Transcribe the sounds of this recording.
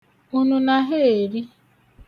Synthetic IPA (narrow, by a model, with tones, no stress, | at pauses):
u˦nu˦na˨ɦe˦e˨ɾi˦